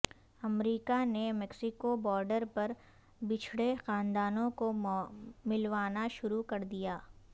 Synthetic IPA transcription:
ɐmɾiːkanemɛksɪkobɔːɾɖəɾpɐɾ | bɪt͡ʃʰɽexãːnd̪aːnõko | mɪlʋaːnaʃʊɾukɐɾd̪ijaː

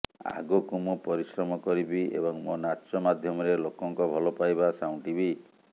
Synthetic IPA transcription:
a̰ɡukumupɔɾisɾɔmɔkɔɾibiḛbɔŋmɔnat͡ʃɔmad̪ʱjɔmɔɾelokɔŋkɔbʱɔlɔpajbasaw̃ɳʈibi

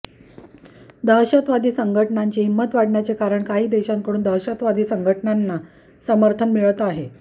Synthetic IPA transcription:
d̪əɕət̪ʋad̪iːsəŋɡʱəʈɳaɲt͡ɕiːɦimːət̪ʋaɽɳjat͡sekaɾəɳkaɦiːd̪eɕaŋkəɽuːnd̪əwɕət̪ʋad̪iːsəŋɡʱəʈnanːa | səməɾt̪ʰənmiɭət̪aɦe

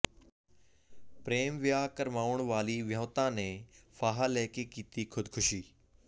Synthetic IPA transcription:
pɾeːmʋjaːkəɾmaːʋʊɳ̃ʋaːliʋjə̃ːt̪ãːnẽːfaːɦalɛːkekiːt̪ikʰʊd̪ʱkʰʊʃiː

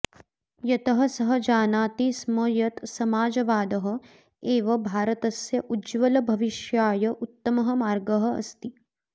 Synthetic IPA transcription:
jɐt̪ɐɦɐ̆sɐɦɐ̆d͡ʒaːnaːt̪ismɐjɐt̪sɐmaːd͡ʒɐʋaːd̪ɐɦɐ̆ | eːʋɐbʱaːɾɐt̪ɐsjɐʔud͡ʒʋɐlɐbʱɐʋiʃjaːjɐʔut̪ːɐmɐɦɐ̆maːɾɡɐɦɐ̆ɐ̰st̪i

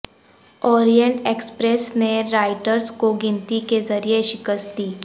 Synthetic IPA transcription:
ɔːɾijə̃ɳʈeːkspɾesneɾaːɪʈəɾzkoɡɪ̃nt̪ikezɐɾijeʃɪkəst̪iː

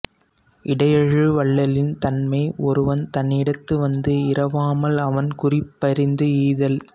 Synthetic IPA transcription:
ʔɪɽɐjɐɻɯʋɐɭːɐlɪnt̪ɐnmɐɪɔɾɯʋɐnt̪ɐnːɪɽɐt̪ːɯʋɐnd̪ɯɪɾɐʋaːmɐlɐʋɐnkʊrɪpːɐɾɪnd̪ɯiːðɐl

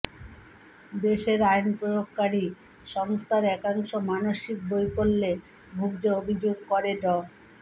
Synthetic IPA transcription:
d̪eʃeɾajnpɾoɾok̚kaɾi | ʃɔŋst̪ʰaɾɛkaŋʃomanoʃik̚bojpolːe | bʱuɡd͡ʑeobʱid͡ʑoɡ̚kɔɾeɖɔ

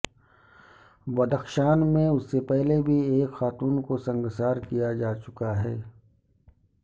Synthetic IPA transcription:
bɐd̪əxʃaːnmẽʊsːepɛɦlebʱieːkxaːt̪uːnkosɐ̃ŋɡsaːɾkijad͡ʒaːt͡ʃʊkaɦɛː

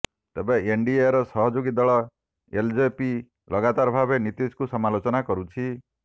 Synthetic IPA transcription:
t̪ebeeɳɖieɾɔsɔɦɔd͡ʒoɡid̪ɔɭɔ | eld͡ʒepi | lɔɡat̪aɾɔbʱabenit̪iskusɔmalot͡ʃɔnakɔɾut͡ʃʰi

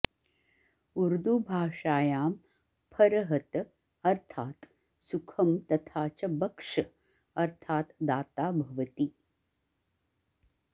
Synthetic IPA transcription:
uɾd̪ubʱaːʂaːjaːm | pʰɐɾɐɦɐt̪ | ɐɾt̪ʰaːt̪ | sukʰɐmt̪ɐt̪ʰaːt͡ʃɐbɐkʂɐ | ɐɾt̪ʰaːt̪d̪aːt̪aːbʱɐʋɐt̪i

